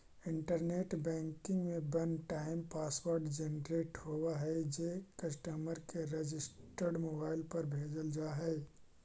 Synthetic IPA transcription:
ɪ̃ɳʈəɾneːʈbɛ̃ːŋkɪ̃ŋɡmẽbənʈaːɪmpaːswəɾɖd͡ʒenɾeːʈhowaɦɛd͡ʒekəsʈəməɾkeɾed͡ʒɪsʈəɾɖmoːbaːɪlpɐɾbʱeːd͡ʒəld͡ʒaːɦɛː

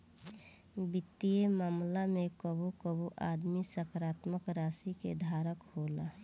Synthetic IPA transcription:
bɪt̪ːijemaːmlamẽkəbukəbuʔaːd̪misəkɾaːt̪məkɾaːsikḛd̪ʱaːɾəkhola

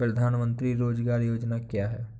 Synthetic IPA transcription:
pɾəd̪ʱaːnmə̃nt̪ɾiɾoːd͡ʒɡaːɾjoːd͡ʒnakjaːɦɛː

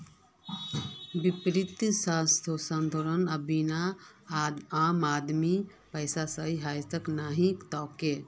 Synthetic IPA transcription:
bɪpɾɪt̪saːst̪ʰosə̃nd̪ʱoːɾənɐbina | aːmaːd̪mi | pəjsasəiɦaːjt̪əknaːɦĩkt̪ɔːke

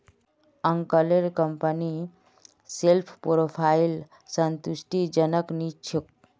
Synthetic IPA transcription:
əŋkəleɾkəmpəni | selpʰpoɾopʰail | sənt̪usʈid͡ʒənəknit͡ʃʰuk̚

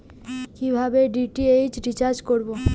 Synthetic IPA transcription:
kibʱabeɖiʈiejd͡ʑɖit͡ɕaɾd͡ʑkoɾbo

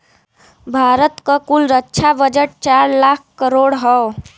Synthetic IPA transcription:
bʱaːɾət̪kəkulɾətːt͡ʃʰabəd͡ʒəʈ̚t͡ʃaːɾlaːk̚ʰkəɾoːɽɦɔ

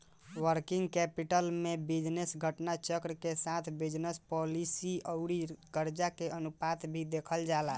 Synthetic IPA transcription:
wəɾkiŋɡkɛpiʈəlmebid͡ʒnesɡʱəʈnat͡ʃəkɾəkesat̪ʰbid͡ʒnespɔlisiəʊɽiɡəɾd͡ʒakeənupat̪bʱid̪ekʰəld͡ʒala

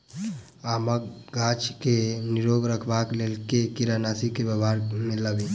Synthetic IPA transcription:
aːməkɡaːt͡ʃkenɪɾoːɡɾəkʰbaːkleːlkekiɾanaːsikebəbaːɾmeləɡe

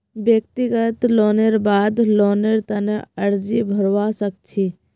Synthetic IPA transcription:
bjək̚t̪iɡət̪loːneɾbaːd̪loːneɾt̪ɐneɐɾd͡ʒibʱɐɾʋasək̚t͡ʃʰi

